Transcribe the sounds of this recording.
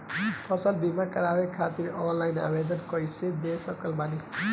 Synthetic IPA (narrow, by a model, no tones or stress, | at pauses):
pʰʌsəlbimakəɾawekʰat̪iɾɔnlajna̰bed̪ənkɔjsed̪esəkəlmani